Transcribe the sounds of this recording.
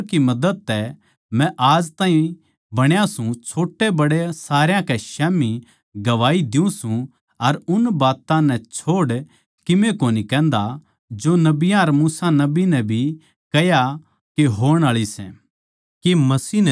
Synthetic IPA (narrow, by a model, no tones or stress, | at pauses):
kimɐd̪əd̪̚t̪ɛ | mɛ̃ʔaːd͡ʒt̪aːĩ | bɐɽ̃jãsũt͡ʃʰoːʈːebɐɽesaːɾjãkɛʃɛːmi | ɡɐʋaːid̪ɪũsũ | ɐɾʊnbaːt̪ãnɛ̃t͡ʃʰoːɽ | kɪmẽkoːnikɛ̃ːnd̪a | d͡ʒoːnɐbɪjãɐɾmuːsanɐbinɛ̃bʱi | kɐja | keɦoːɽ̃aːɭisɛ̰̃ | kemɐsiːn